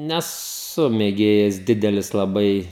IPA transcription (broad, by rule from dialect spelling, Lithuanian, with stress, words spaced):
nʲɛˈsʊ mʲeːˈɡʲeːjɛs ˈdʲɪdʲɛlʲɪs lˠɐˈbɐɪ